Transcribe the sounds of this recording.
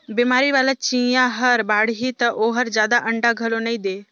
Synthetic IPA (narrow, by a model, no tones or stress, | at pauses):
bimaːɾiʋaːlat͡ʃĩjãɦəɾbaːɽɦit̪ɐʔoːɦəɾd͡ʒjaːd̪aʔə̃ɳɖaɡʱɐlonəĩd̪eː